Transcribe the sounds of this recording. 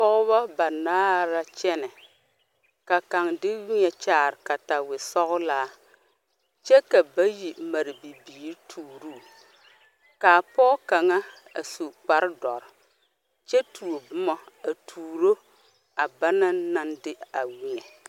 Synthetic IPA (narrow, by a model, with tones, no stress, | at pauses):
pɔ˦ʔʊ˦βa˦ba˨naː˦ɾa˦t͡ʃɛ˦nɛ˨ | ka˨ka˨ŋdɪ˦wi˦ɲɛ˨t͡ʃaː˦˨ɾɪ˨ka˨ta˨wɪ˨sɔ˦ɣʊ˦laː˦ | t͡ʃɛ˦ka˨ba˦ji˨ma˨ɾɪ˨bi˨biː˨ɾtʰuː˨ɾuː˦˨ | kaː˨pɔ˦ka˨ŋa˦ | a̰˨su˨k͡pa˨ɾdɔ˨ɾɪ˨ | t͡ʃɛ˦tʰu˨o˨bʊ˦mɔ˨a˨tʰuː˨ɾo˦ | a˨ba˦na˦na˦ndɪ˦a˨wi˦ɲɛ˨